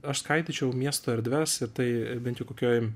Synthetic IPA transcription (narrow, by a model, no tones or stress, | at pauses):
ɐʃskɐɪt̪ʲit͡ʃʲɛʊmʲiɛst̪oːɛɾʲd̪ʲʋʲɛsɪɾt̪ɐɪbʲɛnt̪jʊkoːkʲoːj